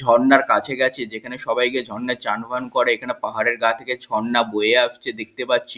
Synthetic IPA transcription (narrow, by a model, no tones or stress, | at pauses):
d͡ʑʱɔɾnaɾkat͡ɕʰeɡɛt͡ɕʰed͡ʑekʰaneʃɔbajked͡ʑʱɔɾːat͡ɕanbʱankoɾeekʰanepaɦaɾeɾɡat̪ʰeket͡ɕʰɔɽnaboeaʃt͡ɕʰed̪ek̚t̪epatːɕʰi